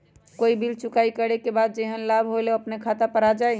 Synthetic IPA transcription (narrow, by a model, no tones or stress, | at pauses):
koibilt͡ʃukaikəɽekebad̪̚d͡ʒeɦənlabʱɦoleəpnekʰat̪apəɾad͡ʒaj